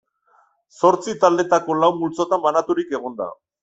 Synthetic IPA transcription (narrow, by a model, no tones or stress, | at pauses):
so̞ɾt͡sit̪ald̪e̞t̪ako̞lawmːult͡so̞t̪ambanat̪uɾike̞ɣ̞o̞nd̪a̰